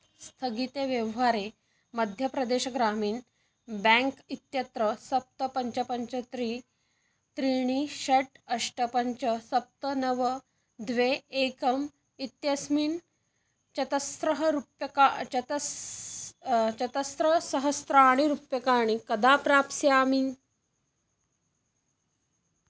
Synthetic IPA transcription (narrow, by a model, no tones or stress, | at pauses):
st̪ʰəɡit̪eʋjeʋɦaɾe | məd̪ʱjəpɾɐd̪eɕəɡɾamiːɳ | bɛ̃ŋkit̪jɐt̪ɾəsɐp̚t̪əpɐɲt͡ɕəpəɲt͡ɕət̪ɾiː | t̪ɾiɳ̃iɕɐʈəʂʈəpəɲt͡ɕəsɐp̚t̪ənəʋə | d̪ʋeeːkɐm | it̪jɐsmiːn | t͡ɕɐt̪ɐsɾɐɦəɾupjɐkaɐt̪ɐ | t͡ɕɐt̪ɐsɾɐsɐɦəst̪ɾaːɽ̃iɾupjɐkaːɽ̃ikɐd̪aːpɾaːpsjaːmi